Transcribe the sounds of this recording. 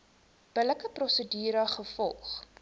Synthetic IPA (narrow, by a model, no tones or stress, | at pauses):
b̥ələkəprɔsədiːɾəχəfɔlˠχ